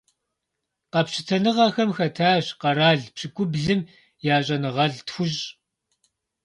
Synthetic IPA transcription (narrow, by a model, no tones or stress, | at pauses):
qɐpɕɪtʰɐnɨʁɐxɐmxɐtʰaːɕqɐɾaːɮpɕɨkʷʼʊbɮɨm | jaːɕʼɐnɨʁɐɮtxʷʊɕʼ